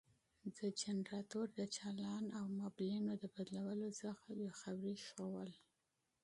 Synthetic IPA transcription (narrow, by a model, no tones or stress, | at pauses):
d̪əd͡ʒanɾɑt̪oɾd̪ət͡ʃɑlɑnawmɑblinod̪əbad̪lawəlosəxawexabɾiʃowəl